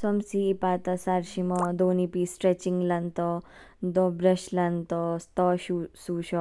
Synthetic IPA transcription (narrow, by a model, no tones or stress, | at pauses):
sɔmsiːpaːt̪ɐsaɾʃimɔd̪oːnipisʈɾet͡ʃiŋɡlɐnt̪ɔ | d̪ɔbɾɐʃlɐnt̪ɔst̪ɔʃusuʃɔ